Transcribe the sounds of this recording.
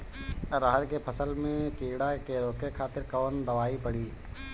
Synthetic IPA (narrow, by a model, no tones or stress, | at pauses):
ɾaɦəɾkepʰəsəlmẽkiːɽakeɾoːkekʰaːt̪ɪɾkəːnd̪əʋaːipəɽiː